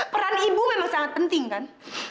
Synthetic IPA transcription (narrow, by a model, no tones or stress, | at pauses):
pəɾanibumemaŋsaŋat̪̚pənt̪ɪŋkan